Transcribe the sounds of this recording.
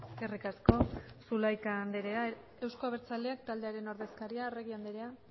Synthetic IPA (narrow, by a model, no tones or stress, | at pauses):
erikasko̞sulajkaːnd̪eɾea | e̞wsko̞aβe̞ɾt͡sale̞ak̚t̪ald̪e̞aɾe̞no̞ɾðe̞skaɾiaere̞ɣ̞iand̪eɾe̞a